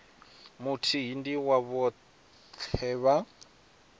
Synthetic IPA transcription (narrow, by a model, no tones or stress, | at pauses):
mutʰiɦindiwaβɔ | t͡ɬʰɛβa